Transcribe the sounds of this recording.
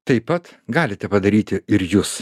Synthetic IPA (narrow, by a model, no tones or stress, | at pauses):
t̪ɐɪpːɐt̪ɡɑːlʲɪt̪ʲɛpɐd̪ɐɾʲiːt̪ʲɪɪɾjuːs